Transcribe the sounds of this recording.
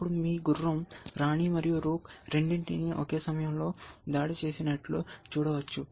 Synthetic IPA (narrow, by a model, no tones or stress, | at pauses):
pːuɽumiːɡurːɐmɾaːɳimɐɾijuɾuːkɾe̞ɳɖiɳʈiniʔoke̞ːsɐmɐjɐmlo̞ːd̪aːɽit͡ʃe̞ːsinɐʈlut͡ʃuːɽɐʋɐt͡ʃːu